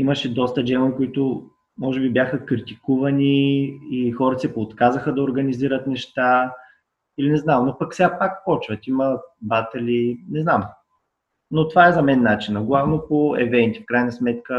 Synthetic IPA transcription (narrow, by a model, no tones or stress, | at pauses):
iməʃɛd̪ɔst̪əd͡ʒɛmoikoʊit̪o | mɔʒɛbibjaxəkɾit̪ikuvɐniixɔɾt̪sɛpoːt̪kazəxəd̪ɐoɾɡəniziɾət̪nɛʃt̪a | ilinɛznamnopɐksɛapak̚pɔt͡ʃvət̪iməbat̪ɛlinɛznam | not̪vaɛzɐmɛnːat͡ʃinəɡlˠavnopoɛ̰vɛnt̪i̥fkɾajnəsmɛt̪kə